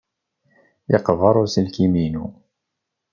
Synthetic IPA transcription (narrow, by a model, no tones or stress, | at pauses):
jɑ̰qvɑɾˤʊsəlkiminṵ